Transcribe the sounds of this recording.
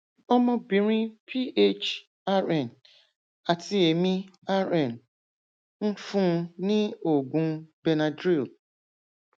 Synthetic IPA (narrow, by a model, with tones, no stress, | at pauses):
ɔ˦mɔ̃˦bĩ˨ɾĩ˦pʰi˦ʔe˦t͡ʃ | a˦ɾɛ˨n | a˨ti˦e˨mĩ˦a˦ɾɛ˦˨n | n̩˦fũ˦nɪ̃˦o˨ɡũ˨˦be˨na˨dɾi˦˨l